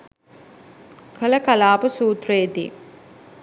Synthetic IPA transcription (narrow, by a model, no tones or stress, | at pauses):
kʰəlɐkɐlaːpusuːt̪rejd̪ḭː